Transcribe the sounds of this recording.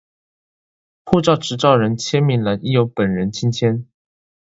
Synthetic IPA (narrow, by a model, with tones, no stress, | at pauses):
pʰu˥˧ʈ͡ʂɑ˥˩ʊʈ͡ʂɻ̩˧˥ʈ͡ʂɑ˥˩ʊɻə˧˥nt͡ɕʰjɛ˥nmi˧˥nla˧˥ni˥˩jo˧˥ʊpə˨˩nɻə˧˥nt͡ɕʰi˥nt͡ɕʰjɛ˥n